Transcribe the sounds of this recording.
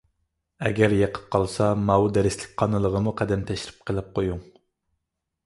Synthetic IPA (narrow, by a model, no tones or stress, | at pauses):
ɛ̰ɡʲɛɾjeqʰə̥p̚qʰɑlˠsɑmɑwud̪ɛɾɪslɪk̚ʲqʰɑnɨlˠəʁəmuqʰɛd̪ɛnt̪ʰɛʃɾɪ̥p̚qʰəlˠɪp̚qʰojuŋ